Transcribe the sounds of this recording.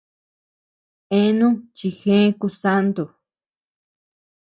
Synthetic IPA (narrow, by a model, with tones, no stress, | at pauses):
ẽ˦nũ˦t͡ʃi˧xẽ˦ku˧sa˦nd̪u˨